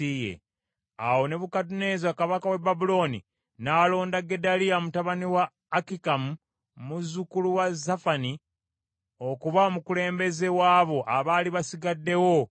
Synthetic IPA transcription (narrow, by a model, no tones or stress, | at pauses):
ijḛ | a̰wo̞ne̞βukatune̞zakaβakawe̞babulo̞ːnḭ | naːlo̞ːndaɡe̞dalijamutaβaniwaː | kikamu | muzukuluwazafani | o̞kuβaomukule̞ːmbe̞ze̞waːβo̞ʔaβaːliβasiɡadːe̞wo̞